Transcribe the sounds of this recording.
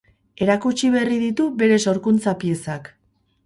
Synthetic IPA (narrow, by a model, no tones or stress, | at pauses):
e̞ɾakut͡ʃiβeriðit̪uβe̞ɾe̞so̞ɾkunt͡sapie̞sak